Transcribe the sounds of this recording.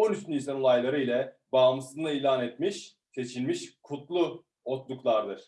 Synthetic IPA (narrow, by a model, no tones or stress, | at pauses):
onyst̪yninsanolˠajlˠaɾɯilʲɛbaːmɯsɯznailʲaːnet̪miʃ | se̞t͡ʃʰilʲmiʃkʰut̪lˠu | ot̪d̪uklˠaɾd̪ɯɾ̥